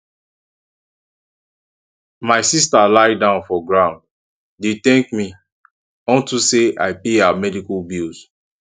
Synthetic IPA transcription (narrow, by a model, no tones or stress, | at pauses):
maɪsistalaɪdãʊ̃nfɔɡɹãʊ̃nd | detɛ̃ŋkmi | ɔ̃ntusea̰ɪpeamɛdikɔlbilz